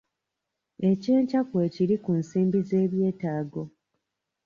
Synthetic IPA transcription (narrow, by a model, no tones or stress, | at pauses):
e̞ceːɲcakwe̞ciɾikunsiːmbize̞ːβje̞ːtaːɡo̞